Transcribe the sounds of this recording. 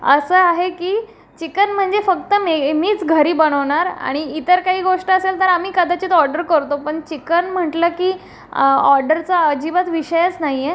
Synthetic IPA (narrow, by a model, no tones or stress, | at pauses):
ə̰səːaɦekiː | t͡ɕikənm̤əɳd͡zefək̚t̪əmemiːt͡sɡʱəɾiːbəɽ̃əʋɳ̃aɾa̰ɽ̃iit̪əɾkaɦiːɡoʂʈəːselt̪əɾam̤iːkəd̪at͡ɕiːt̪ɔɾɖəɾkəɾt̪opəɳt͡ɕikənm̤əʈləkiː | ɔɾɖəɾt͡saəd͡ʑiʋət̪ʋiɕəjət͡snaɦije